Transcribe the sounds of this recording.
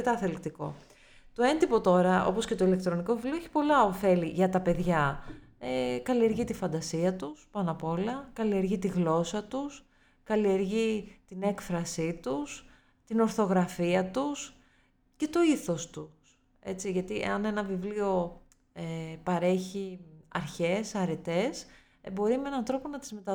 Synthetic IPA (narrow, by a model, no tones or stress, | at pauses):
et̪ɐθelikt̪iko̞̰ | t̪oe̞nd̪ipo̞t̪o̞ɾɐo̞̰po̞scet̪oilekt̪ɾo̞niko̞vivlioeçi̥po̞lɐo̞fe̞liʝɐt̪ɐpe̞ðʝɐ | ekɐlie̞ɾʝit̪ifɐnd̪ɐsiɐt̪uspɐnɐpo̞lɐkɐlie̞ɾʝit̪iɣlo̞sɐt̪us | kɐlie̞ɾʝit̪ine̞kfɾɐsit̪us | t̪ino̞ɾθo̞ɣɾɐfiɐt̪us | ce̞t̪o̞iθo̞st̪us | e̞̰t͡siʝɐt̪iḛɐne̞nɐvivlio̞ | epɐɾe̞çiɐ̰ɾçe̞sɐɾe̞t̪e̞s | bo̞ɾimee̞nɐnθɾo̞ponɐt̪izme̞t̪ɐ